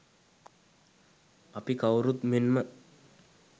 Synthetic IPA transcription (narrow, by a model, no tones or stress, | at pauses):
ɐpikɐwɾut̪minmə